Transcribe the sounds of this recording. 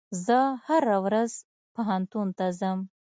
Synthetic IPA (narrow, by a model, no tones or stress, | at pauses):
zəhaɾawɾaz | paɦant̪unt̪azəm